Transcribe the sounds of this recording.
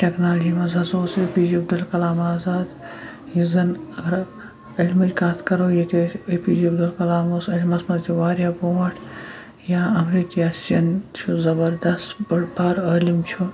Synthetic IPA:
ʈeknaːld͡ʒiːmɐzʱɐzoːseːpiːd͡ʒibɖɐlkɐlaːmaːzaːd̪ | jizɐnɐɡɐɾ | ɐlʲmɐd͡ʒʲkaːt̪ʰkɐɾojet̪eepiːd͡ʒibɖɐlkɐlaːmosɐlʲmɐsmɐt̪ʰiʋaːɾjaːboʋɐʈʰ | jaɐmɾikiaːsjɐnt͡ʃʰuzɐbɐɾd̪ɐst̪bɐbaːɾəːlimt͡ʃʰu

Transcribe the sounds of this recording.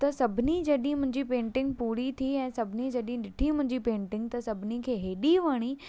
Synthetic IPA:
t̪ɐsɐbʱɪnid͡ʑɐɗĩmʊ̃ɦɪ̃ɲd͡ʑipẽːɳʈɪ̃ŋɡ̚puːɾit̪ʰiɛ̃ːsɐbʱɪnĩd͡ʒɐɗĩɗɪʈʰimʊ̃ɦɪ̃ɲd͡ʑipẽːɳʈɪ̃ŋɡt̪ɐsɐbʱɪnikʰeːɦeːɗiʋaːɽ̃i

